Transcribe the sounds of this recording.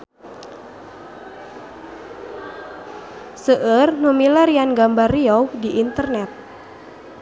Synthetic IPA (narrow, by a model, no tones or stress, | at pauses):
səʔərnumilaɾianɡambarːiɔwdiʔːnt̪ərnɛt̪̚